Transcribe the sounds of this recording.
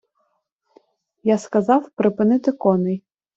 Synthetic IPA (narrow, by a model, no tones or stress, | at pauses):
jaskɐzɑwpɾɪpɪnɪt̪ɪkɔnɪj